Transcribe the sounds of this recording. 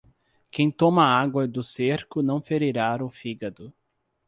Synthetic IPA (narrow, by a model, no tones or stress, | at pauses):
kẽj̃t̪õmɐaɡwɐd̪ʊseɾkʊnɐ̃w̃feɾiɾaɾʊfiɡɐd̪ʊ